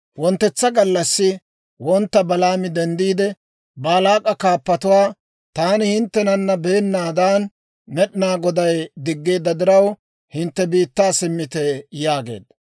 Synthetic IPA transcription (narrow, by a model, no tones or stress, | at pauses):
wɔnt̪ːɛt͡sːɐɡɐlːɐsːɪ | wɔnt̪ːɐbɐlaːmɪd̪ɛnd̪iːd̪ɛ | bɐːlaːkʼɐkaːpːɐt̪ʊwaː | t̪aːnɪhɪnt̪ːɛnɐnːɐbeːnːaːd̪aːn | mɛɗɪnaːɡɔd̪ɐjd̪ɪɡːe̞ːd̪ːɐd̪ɪɾɐw | hɪnt̪ːɛbiːt̪ːaːsɪmːɪt̪ɛjaːɡe̞̰ːd̪ɐ